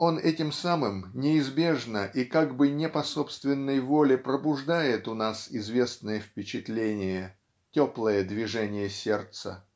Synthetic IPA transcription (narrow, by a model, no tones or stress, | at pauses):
o̞nɛtʲɪmsamɨmnʲɪɪzbʲe̞ʐnəʔikaɡbɨnʲɪpɐso̞pst̪vʲɪnːəjvo̞lʲɪpɾəbʊʐd̪ajɪt̪ʊnasɪzvʲe̞snəjəfpʲɪt͡ɕɪt̪lʲenʲɪjə | tʲoplˠəjəd̪vʲɪʐɛnʲɪjəsʲe̞rt̪sə̰